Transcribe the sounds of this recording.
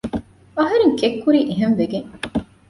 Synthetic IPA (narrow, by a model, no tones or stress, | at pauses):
ɐɦɐɾeŋkekːuɾiːʔeɦɐnʋeɡeŋ